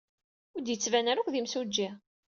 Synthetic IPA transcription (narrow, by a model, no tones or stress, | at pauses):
ʊɾd̪jət͡sːvænæɾækʷðimsud͡ʒːi